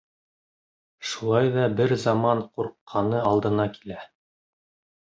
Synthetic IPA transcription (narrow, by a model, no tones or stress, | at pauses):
ʃulˠɑjðɑbɘɾzɑmɑɴquɾqʰːɑnɤɑlˠd̪ɤ̆nɑki̥læ